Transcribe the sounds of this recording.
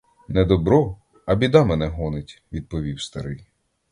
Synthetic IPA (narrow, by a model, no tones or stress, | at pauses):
nɛd̪ɔbɾɔ | ɐbʲid̪ɑmɛnɛɦɔnɪtʲʋʲid̪̚pɔʋʲiwst̪ɐɾɪj